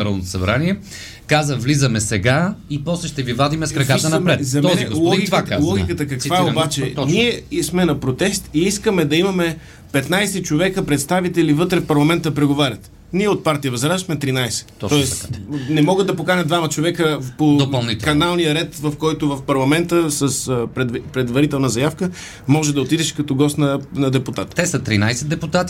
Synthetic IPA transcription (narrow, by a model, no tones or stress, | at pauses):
ɾalˠnot̪osɐbɾaniɛ | kazəvlizəmɛsɛɡaipɔslɛʃt̪ɛvivad̪imɛskɾɐkaənɐmpɾɛtzɐmɛɔzɛiɡolˠɔɡ̪vkalˠɡʲikət̪əkɐkvvaɛobat͡ʃɛniɛsmɛnɐpɾot̪ɛst̪iiskəmɛd̪ɐimɐmɛ | pɛt̪najsɛt͡ʃovɛkəpɾɛt̪st̪avit̪ɛlivɤt̪ɾɛfpɐɾlˠɐmɛnt̪əpɾɛɡovaɾʲɐt̪ | niɛot̪̚paɾt̪ijəvɐzɾazəxmɛt̪ɾinajsɛ̥t̪ɔɛsnɛmɔɡəd̪ɐpokanʲəd̪vamɐt͡ʃovɛkəpod̪opɐlˠnit̪kːɐnalˠnijəɾɛt̪vɐfkɔjt̪ʊvɐfpɐɾlˠɐmɛnt̪əsəsp̪pɾɛd̪vɐɾit̪ɛlˠnəzɐjafkə | mɔʒɛd̪ɐot̪id̪ɛʃkɐt̪ɔɡɔst̪nənɐd̪ɛpʊt̪at̪t̪ɛsɐt̪ɾinajsɛd̪d̪ɛput̪at̪i